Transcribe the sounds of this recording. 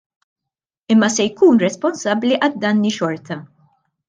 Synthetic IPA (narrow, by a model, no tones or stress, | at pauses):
ɪmːɐsɛjkuːnɾɛspɔnsɐbːliʔɐd̪ːɐnːiʃɔɾt̪ɐ